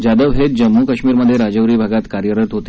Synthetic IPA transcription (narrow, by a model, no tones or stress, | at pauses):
d͡ʑad̪əʋɦet̪̚d͡ʑəmːukəɕmiːɾməd̪ʱːjeɾad͡ʑəʋɾiːbʱaɡat̪kaɾjəɾət̪ɦot̪e